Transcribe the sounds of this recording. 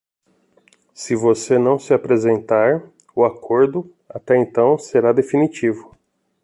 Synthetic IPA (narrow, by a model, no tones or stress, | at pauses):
sɪvosenɐ̃w̃sɪapɾezẽnt̪aɾ | ʊakʰoɾd̪ʊ | at̪ɛẽnt̪ɐ̃w̃seɾad̪efinit͡ʃivʊ